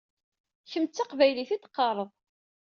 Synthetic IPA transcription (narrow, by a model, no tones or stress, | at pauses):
çəmt͡sːɑqvæjliθid̪qːɑɾˤəðˤ